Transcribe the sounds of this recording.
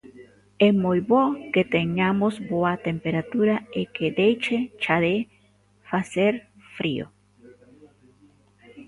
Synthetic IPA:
emojβoket̪eɲamosboat̪empeɾat̪uɾaeked̪ejt͡ʃet͡ʃaðe | faseɾ | fɾio̰

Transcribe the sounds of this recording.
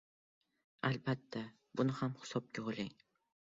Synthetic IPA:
albat̪ʰːa | bʊnɪhamhɪ̥sɒp̚kʲʰoʁolʲɪŋ

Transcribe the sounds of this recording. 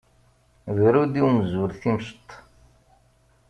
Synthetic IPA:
ðɾud̪iwmzuɾθimʃt̪ˤː

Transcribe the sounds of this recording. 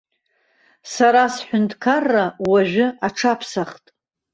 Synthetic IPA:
saɾasħʷᶣʊntʰkʰarːawaʒᶣɨʔaʈ͡ʂʰapʰsaχtʼ

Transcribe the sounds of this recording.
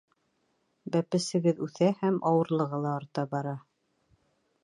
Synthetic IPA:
bæpɘ̆sɘ̆ɡɘðʉθæhæmʔɑwɤ̆ɾlˠɤ̆ʁɤlˠɑɑɾt̪ɑbɑɾɑ

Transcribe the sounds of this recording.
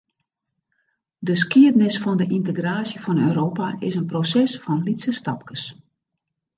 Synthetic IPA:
dəskiədnɪsfɔndəʔintəɡraːsjəfɔnøːɾoːpaʔɪsənprosɛsfɔnlitsəstɑp̚kəs

